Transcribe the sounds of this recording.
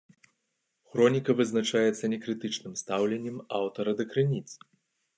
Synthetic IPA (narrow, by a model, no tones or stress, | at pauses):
xɾɔnʲikɐvɨznat͡ʂajɛt̪sːɐnʲɛkɾɨt̪ɨt͡ʂnɨmst̪awlʲɛnʲːɛmawt̪ɐɾɐd̪ɐkɾɨnʲit̪s